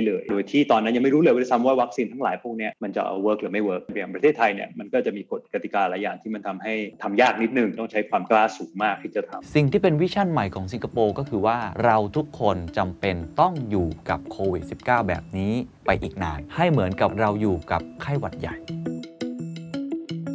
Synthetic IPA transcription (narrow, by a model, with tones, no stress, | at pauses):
a˥˩jlɤː˧˩jdoː˧jt̪ʰiː˥˩t̪ɔː˧nːa˦˥nja˧ma˥˩ɾuː˦˥lːjwa˥a˥t̪ʰmwaː˥˩wa˦˥k̚siː˧nt̪ʰa˦˥laː˨˦jpʰu˥˩k̚ni˦˥ɐma˧nt͡ɕa̰˨˩ʔa̰˧wɤː˦˥k̚lɯː˩˦ma˥˩jwɤː˦˥k̚pa˧ja˨ŋpɾa˧t̪ʰeː˥˩t̪ʰːa˧jni˥˩ɐma˧nkɔː˥˩t͡ɕa˨˩ʔmiː˧ko˨˩t̪̚ka˧t̪i˨˩kaː˧laː˨˩˦jːa̰ː˨˩ŋt̪ʰiː˥˩ma˧nt̪ʰa˧mha˥˩jt̪ʰa˧mjaː˥˩k̚ni˦˥t̪̚nɯ˨˩ŋt̪ɔ˥˩ŋt͡ɕʰa˦˥jkʰwaː˧mklaː˥˩suː˩˦ŋmaː˥˩k̚t̪ʰiː˥˩t͡ɕa˨˩t̪ʰa̰˧msi˨˩ŋt̪ʰiː˥˩pe˧nwi˦˥t͡ɕʰa˥˩nma˨˩jkʰɔː˩˦ŋsi˧ŋkʰa˧poː˧kɔː˥˩kʰɯː˧waː˥˩ɾa˧wt̪ʰu˦˥kʰːo˧nt͡ɕa˧mpe˧nt̪ɔ˥˩ŋjuː˨˩ka˨˩p̚kʰoː˧wi˨˩t̪̚si˨˩p̚kaː˥˩wbɛ̰ː˨˩p̚niː˦˥pa˧jʔiː˨˩k̚naː˧nha˥˩jmɯ˩˦ənka˨˩p̚ɾa˧wjuː˨˩ka˨˩p̚kʰa˥˩jwa˨˩t̪̚ja̰˨˩j